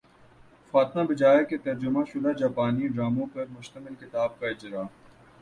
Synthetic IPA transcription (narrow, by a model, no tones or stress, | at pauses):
faːt̪mãbɐd͡ʒaːeket̪ɐɾd͡ʒʊmãʃʊlad͡ʒaːpaːniɖɾaːmõpɐɾmʊʃt̪əmɪlkɪt̪aːb̚kaɪd͡ʒɾaː